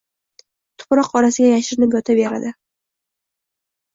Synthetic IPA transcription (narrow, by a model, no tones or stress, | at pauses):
t̪ʰʊ̥pɾɒqɒɾasɪɡʲajaʃɪɾɪnɪpjɒt̪ʰabeɾa̰d̪ɪ